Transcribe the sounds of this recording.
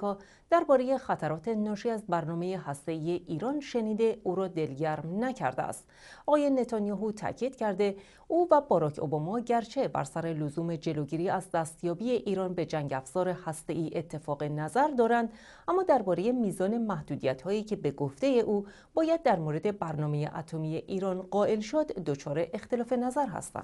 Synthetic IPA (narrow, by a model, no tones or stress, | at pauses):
kɒː | d̪̥æɾbɒːɾe̞je̞xæt̪ʰæɾɒːt̪ʰe̞nɒːʃiæzbæɾnɒːme̞jehæst̪e̞iːje̞ʔiːɾɒːnʃe̞niːd̪eʔuːɾɒːd̪e̞lɟæɾmnæcʰæ̰ɾd̪eæ̰st̪ | ʔɒːɣɒːje̞ne̞t̪ʰɒnijɒːɦut̪ʰæ̰ːcʰiːd̪̥cʰæɾd̪e̞ | ʔuːvæbɒːɾɒːcʰo̞̰bɒːmɒɟæɾt͡ʃʰe̞bæ̰ɾsæɾe̞lozuːme̞d͡ʒe̞loɟiːɾiːæzd̪æst̪jɒːbije̞ʔiːɾɒːnbe̞d͡ʒæŋɟæfz̥ɒːɾe̞hæst̪e̞ʔiːʔe̞t̪ʰːe̞fɒːɣe̞næzæɾd̪ɒːɾænd̪ | æmːɒːd̪æɾbɒːɾe̞je̞miːzɒːne̞mæhd̪̥uːd̪ijæt̪hɒːjiːcʰe̞beɡoft̪e̞je̞ʔuː | b̥ɒːjæd̪ːæɾmoːɾe̞d̪e̞bæɾnɒːme̞je̞̰ʔæ̰t̪ʰo̞miːje̞ʔiːɾɒːnɢɒːʔe̞lʃod̪ːo̞t͡ʃʰɒːɾe̞ʔext̪e̞lɒːfe̞næzæɾɦæ̰st̪æ̰nd̪̥